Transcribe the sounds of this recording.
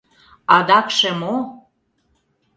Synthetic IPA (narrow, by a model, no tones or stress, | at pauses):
ɑd̪ɑkʃĕmo